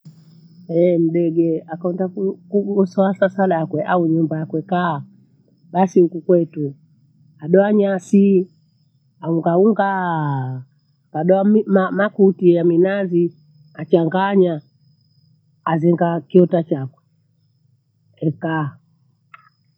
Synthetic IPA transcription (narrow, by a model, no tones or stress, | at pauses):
ɛm̩ɗɛɡɛakɔndaukuɡɔsɔasasalakwɛʔauɲumbajakwɛka | ɓasihukukwɛtu | aɗɔaɲasi | auŋɡauŋɡa | kaɗɔamimamakutijaminazi | at͡ʃaŋɡaɲa | azɛŋɡakiɔtat͡ʃakwɛ | ɛka